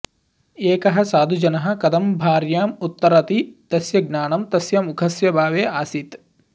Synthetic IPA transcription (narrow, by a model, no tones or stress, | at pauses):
eːkɐɦɐ̆saːd̪ʱud͡ʒɐnɐɦɐ̆kɐd̪ɐmbʱaːɾjaːmut̪ːɐɾɐt̪id̪̥ɐsjɐɡnaːɳɐmt̪ɐsjɐmukʰɐsjɐbʱaːʋeːaːsit̪